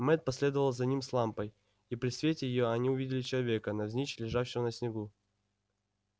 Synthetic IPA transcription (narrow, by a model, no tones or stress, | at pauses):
mɛt̪̚pɐsʲlʲe̞d̪əvəlˠzɐnʲimslˠampəj | ipɾʲɪsvʲetʲɪjɪjoɐnʲiʊvʲidʲɪlʲɪt͡ɕɪlˠɐvʲe̞kənɐvzʲnʲit͡ɕlʲɪʐafɕːɪvənəsʲnʲɪɡu